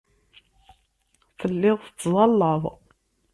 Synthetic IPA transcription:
θəlːɪʁθət͡sːðˤɑlːəðˤ

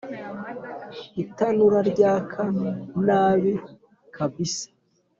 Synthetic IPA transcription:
itanuɾaɾɟaːkʰanaːβi | kʰabisḁ

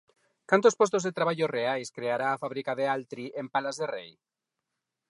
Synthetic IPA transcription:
kant̪ospost̪ozðet̪ɾaβ̞aʎoreajskɾeaɾaːfaβɾikaðealt̪ɾiʔempalazðerḛj

